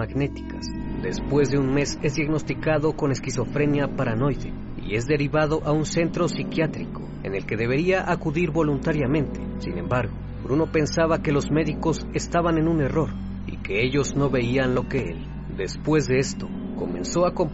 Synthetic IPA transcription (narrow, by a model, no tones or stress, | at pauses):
aɣne̞t̪i̥kas | d̪e̞spwe̞zðe̞unme̞se̞zd̪jaɣno̞st̪ikaðo̞ko̞ne̞skiso̞fɾe̞njapaɾano̞jðe̞̰ | ḭe̞zðe̞ɾiβaðo̞ʔaunse̞nt̪ɾo̞sikjat̪ɾiko̞e̞̰ne̞lke̞ðe̞βe̞ɾiaʔakuðiɾβo̞lunt̪aɾjamẽ̞nt̪esḭnẽ̞̰mbaɾɣo̞ | bɾuno̞pe̞nsaβake̞lo̞zme̞ðiko̞s | e̞st̪aβane̞nune̞ro̞ɾ | ḭke̞e̞ʝo̞zno̞βe̞ianlo̞ke̞ḛl | d̪e̞spwe̞zðe̞est̪o̞ | ko̞mẽ̞̰nso̞ako̞m